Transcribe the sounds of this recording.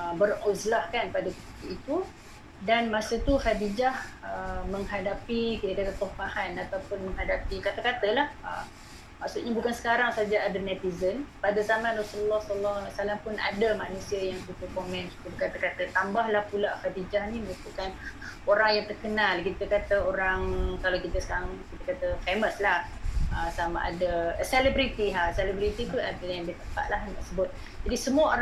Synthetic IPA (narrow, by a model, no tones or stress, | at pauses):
əbərozlahkanpadakəpit̪iit̪u | danmasət̪uhadid͡ʒahəməŋɦadapikit̪əkak̪ət̪ɔhmahanat̪awpʊnmə̃ŋɦadapikat̪akat̪əlahə̰m | maksuʔɲabukansə̥kaɾaŋsad͡ʒaadamɛt̪izənpadazamanrasululːɔhsələlːɔhlasalampʊna̰dəmanũsiəjaŋk̪ut̪ukomɛ̃nku̥t̪ubəkat̪əkat̪ət̪ambahlahpulaʔfad̪id͡ʒahniməŋup̪ukanoɾaŋjaŋt̪ərkənalkit̪əkat̪əoɾaŋkalakit̪əsaaŋkit̪əkat̪əfeməslahəsama̰ʔa̰daselɛbɾit̪iɦasɛlɛbɾit̪it̪uadajaŋbt̪əpa̰ʔ̪̚laɦnd̪a̰ʔsəbʊt̪̚ | d͡ʒadisəmuao